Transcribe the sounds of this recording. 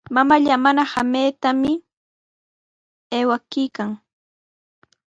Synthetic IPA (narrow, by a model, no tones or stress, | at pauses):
mamaʎamanahamejt̪amɪ | eːwakɪjkaŋ